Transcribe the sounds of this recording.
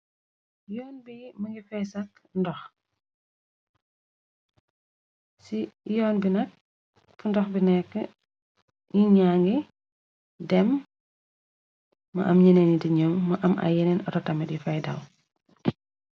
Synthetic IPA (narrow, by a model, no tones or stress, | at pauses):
jɔːnbimɐŋɡifɛːsɐk̚ | ndɔx | sijɔːnbinɐk̚ | fundɔxbinɛkːə | jiɲaŋɡi | dɛm | ɐ̰ʔɐmɲɛnɛnidiɲɔmːɐʔɐmʔɐ̰jɛnɛnɔtɔtɐmɛɗifɐjdɐ̰w